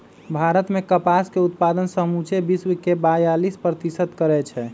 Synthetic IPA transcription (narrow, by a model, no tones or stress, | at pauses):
bʱaɾət̪mekəpaskeut̪̚pad̪ənsəmut͡ʃebiswəkebajalispɾət̪isət̪kəɾɛt͡ʃʰɛ